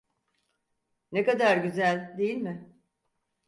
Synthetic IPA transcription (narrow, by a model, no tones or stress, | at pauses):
nekad̪aɾɟyzælʲd̪e̞jilʲmɪ